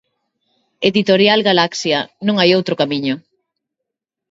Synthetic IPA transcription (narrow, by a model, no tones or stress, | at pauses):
eðit̪oɾjalɡalaksjɐnũŋajowt̪ɾokamiɲʊ